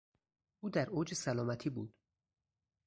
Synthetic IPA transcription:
uːd̪æɾoːd͡ʒesælɒːmæt̪ʰiːbuːd̪̥

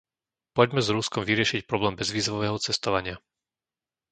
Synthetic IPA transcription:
pɔɟmɛzɾuskɔmviɾɪɛʃicpɾɔblɛːmbɛzʋiːzʋɔʋɛːɦɔt͡sɛst̪ɔʋaɲɪa

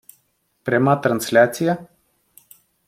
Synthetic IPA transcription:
pɾʲemat̪ɾanslʲat̪sija

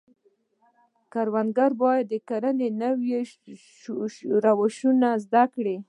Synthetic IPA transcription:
kaɾwand̪ɡaɾbɑjad̪ːəkaɾanenawje | ɾawaʃunazd̪akɽi

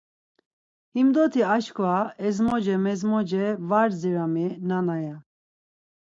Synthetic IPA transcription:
himd̪ɔt̪ʰiaʃkʰvaɛzmɔd͡ʒɛmɛzmɔd͡ʒɛvaɾziɾaminanaja

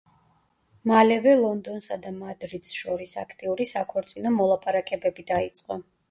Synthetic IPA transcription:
malɛvɛlˠɔnd̪ɔnsad̪amad̪ɾid̪sʃɔɾisa̰kʰt̪ʼiuɾisakʰɔɾt̪sʼinɔmɔlˠapʰʼaɾakʼɛbɛbid̪ait̪sʼqʼɔ

